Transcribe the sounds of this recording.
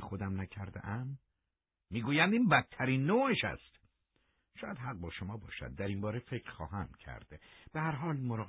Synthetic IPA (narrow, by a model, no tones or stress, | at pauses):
xod̪æmnæcʰæɾd̪ḛʔæmː | iːɡuːjænd̪iːnbæt̪ʰːæɾiːnːoːeʃæ̰st̪ | ʃɒːjæd̪ɦæɣ̚bɒːʃomɒːbɒ̰ːʃæ̰d̪̚ːæɾimbɒːɾefekʰɾxɒ̰ːɦæmcʰæ̰ɾd̪̥b̥ehæɾɦɒːlmoɾɒːɣ